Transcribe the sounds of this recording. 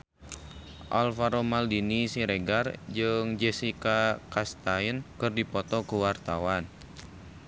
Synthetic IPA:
ʔa̰lfaɾomaldinisiɾeɡard͡ʒɨŋd͡ʒɛsikakast̪ajnkɨrdipɔt̪ɔkuwart̪awan

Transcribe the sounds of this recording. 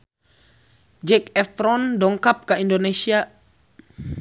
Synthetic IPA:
d͡ʒɛkɛfɾɔndɔŋkap̚kaindonesia

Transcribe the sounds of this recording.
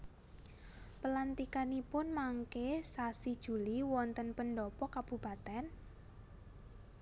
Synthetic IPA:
pəlant̪ikanipʊnmaŋkesasid̥ʒ̥ṳliwɔnt̪ənpənɖɔpɔkab̥ṳb̥at̪ɛn

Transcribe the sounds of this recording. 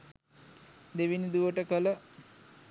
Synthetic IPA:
d̪eʋinid̪uʋəʈəkələ

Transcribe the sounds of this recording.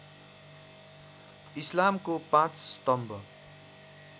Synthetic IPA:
islamkopãt͡ssʌt̪ʌmbʱʌ

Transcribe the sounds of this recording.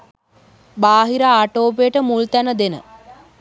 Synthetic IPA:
baːɦiɾaaːʈoːpejəʈəmult̪ænəd̪enə̰

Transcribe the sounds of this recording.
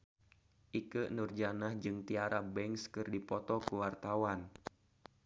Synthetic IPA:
ʔikənurd͡ʒanahd͡ʒɨŋt̪iaɾabɛŋskɨrdipɔt̪ɔkuwart̪awan

